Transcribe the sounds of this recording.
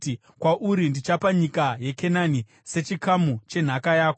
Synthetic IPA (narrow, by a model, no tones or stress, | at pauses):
kwaʔuɾindit͡ʃapaɲikaje̞kenani | se̞t͡ʃikamut͡ʃe̞n̤akajaːko